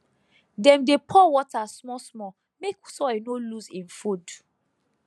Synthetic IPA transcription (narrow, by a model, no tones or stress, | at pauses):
dɛ̃mdepʰɔwɔtasmɔsmɔ | meksɔenoluzĩnfud